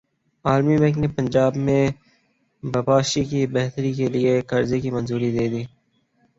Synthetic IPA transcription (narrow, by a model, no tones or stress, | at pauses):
aːlmibɛ̃ːknepənd͡ʒaːbmẽ | bɐbaːʃikibɛɦt̪əɾikeliekɐɾzekimɐnzuːɾid̪eːd̪iː